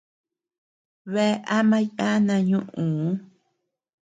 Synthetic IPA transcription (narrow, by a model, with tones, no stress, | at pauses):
βe˦ʔa˦mã˦jã˦nã˧ɲũ˦ʔũ˨˦